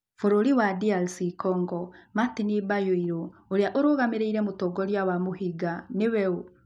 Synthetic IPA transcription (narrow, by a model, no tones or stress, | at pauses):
foɾoɾiwadialsikɔŋɡɔmat̪inibajoiɾooɾeaʔoɾoɣameɾeiɾɛmotɔɡɔɾjawamoɦiɡanewɛo